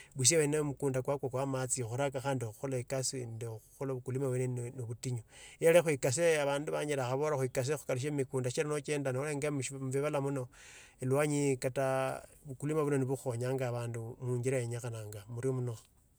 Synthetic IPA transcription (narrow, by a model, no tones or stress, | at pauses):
βus̬jewenemukuːndakwakwokwamat͡sixuɾakaxaːndioxuxolaekasindeuxolaβukulimawenennoβutiɲojelexwikaseaβaːnduβaːɲilaxaβoɾaxwikas̬exu̥kaliʃ̬emikuːndaʃiɾanot͡ʃeːndanoleŋɡamuʃmβiβalamuno̞ | elwaɲikataβukulimaβuno̞niβuxoɲaːŋɡaβaːndumuːɲɡiɾajeɲaxanaːŋɡamuɾiomuno